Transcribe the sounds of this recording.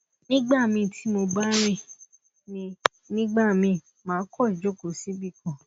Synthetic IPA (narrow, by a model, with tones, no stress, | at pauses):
nĩ˦ɡ͡ba˦˨mĩ˧tʰi˨˦mo˧ba˦ɾ̃ĩ˦˨ | nĩ˧ | nĩ˦ɡ͡ba˦˨mĩ˧ | mãː˨˦kʰɔ˦˨d͡ʒo˦˨ko˨si˦bi˦˨kɔ̃˨